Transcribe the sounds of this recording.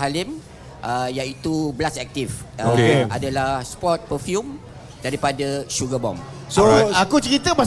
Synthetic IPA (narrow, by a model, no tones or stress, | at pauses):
ɦalim | ʔəjait̪ublasɛk̚t̪if | adalahspɔt̪̚pəfjum | daɾipadaʃuɡabɔ̰msoakut͡ʃəɾit̪əma